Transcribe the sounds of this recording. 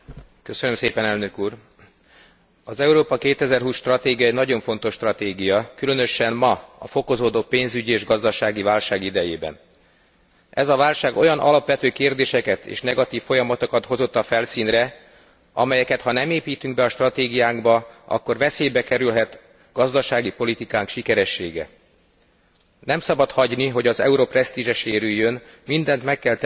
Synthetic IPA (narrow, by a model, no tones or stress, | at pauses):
kø̞sønømseːpɛnɛlnø̞kuːr | ɒzɛuɾoːpɒkeːt̪ɛzɛrɦuːsʃt̪rɒt̪eːɡijɒɛɟnɒɟo̞ɱfo̞nt̪o̞ʃːt̪rɒt̪eːɡijɒkylø̞nø̞ʃɛmmɒɒ̰fo̞ko̞zoːd̪oːpeːnzyɟieːʒɡɒzd̪ɒʃaːɡivaːlʃaːɡid̪ɛjeːbɛ̰n | ɛzɒvaːlʃaːɡo̞jɒnʔɒ̰lɒpʋɛt̪øːkeːrd̪eːʃɛkɛt̪ḛːʃnɛɡɒt̪iːfːo̞jɒmɒt̪okɒt̪ho̞zo̞t̪ːɒfɛlsiːnrɛ | ɒ̰mɛjɛkɛt̪hɒnɛmeːpiːt̪yŋɡ̚bɛɒʃt̪rɒt̪eːɡijaːŋɡbɒɒ̰kːo̞rvɛseːjbɛkɛɾylɦɛt̪ | ɡ̥ɒzd̪ɒʃaːɡipolit̪ikaːŋkʃikɛɾɛʃːḛːɡɛ̰ | nɛmsɒbɒt̪hɒɟniɦo̞ɟɒzɛ̰uɾoprɛst̪iʒɛʃeːɾyjːønmind̪ɛnt̪mɛkːɛlt̪